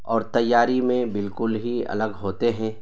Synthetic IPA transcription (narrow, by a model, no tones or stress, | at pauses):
ɔːɾt̪ɐjːaːɾimẽbɪlkʊlɦiɐ̰ləɡɦoːt̪eɦɛ̃ː